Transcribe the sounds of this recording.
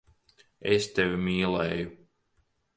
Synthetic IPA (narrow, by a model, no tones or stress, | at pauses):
ɛst̪ɛvimiːlˠɛːju